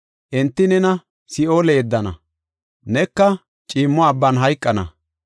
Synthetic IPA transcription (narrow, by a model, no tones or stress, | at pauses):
ʔɛnt̪ːɪnɛnɐ | sɪoːlɛːd̪ːɐnɐ̰ | nɛkːɐ | t͡ʃʼiːmːɔɐbːɐnɦɐjkʼːɐnɐ̰